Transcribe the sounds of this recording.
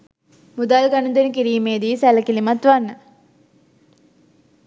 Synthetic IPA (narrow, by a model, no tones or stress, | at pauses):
mud̪aːlɡɐnund̪enik̬iɾiːmeːd̪isɛlɐkilimɐt̪ʋanːɐ